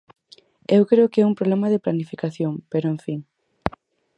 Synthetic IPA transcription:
ewkɾeʊkɪɛumpɾoβlemɐðeplanifikaθjoŋpeɾoeɱfiŋ

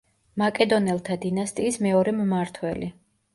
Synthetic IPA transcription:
makʼɛd̪ɔnɛlˠt̪ʰad̪inast̪ʼiːsmɛɔɾɛmmaɾt̪ʰwɛli

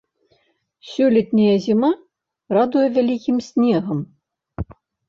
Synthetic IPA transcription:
sʲulʲit̪ʲnʲijɛzʲima | rɑd̪ujɛvʲælʲikʲimsʲnʲeɣə̆m

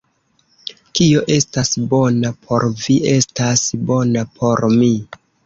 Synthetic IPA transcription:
kio̞ʔe̞stasbo̞napʰo̞ɾviʔe̞stasbo̞napʰo̞ɾmi

